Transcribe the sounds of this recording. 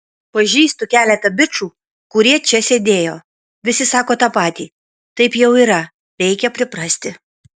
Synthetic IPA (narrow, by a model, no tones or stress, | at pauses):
pɐʒʲiːst̪ʊkʲæːlʲɛt̪ɐbʲɪt͡ʃuː | kʊɾʲiɛt͡ʃʲɛsʲeːd̪ʲeːjoː | ʋʲɪsʲɪsɑːkoːt̪ɑpɑːt̪ʲiː | t̪ɐɪpjɛʊiːɾɐ | ɾʲɛɪkʲɛpʲɾʲɪpɾɐsʲt̪ʲɪ